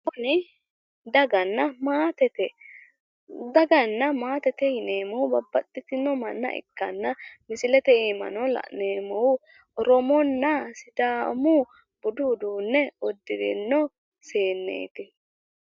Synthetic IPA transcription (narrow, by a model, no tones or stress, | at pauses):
bɔnɪ | d̪ɐɡɐnːɐmaːt̪ɛt̪ɛ | d̪ɐɡɐnːɐmaːt̪ɛt̪ɛhɪneːmɔwʊbɐbːɐt̪ʼːɪt̪ɪnɔmɐnːɐ̰ʔɪ̰kːɐnːɐmɪsɪlɛt̪ɛeːmɐ̰nɔlɐ̰ʔneːmɔw | ɾɔmɔnːɐsɪd̪aːmu | b̥ʊd̪ʊʊd̪uːnːɛɔd̪ːɪd̪ɪ̰nːɔ | se̞ːnːḛːt̪ɪ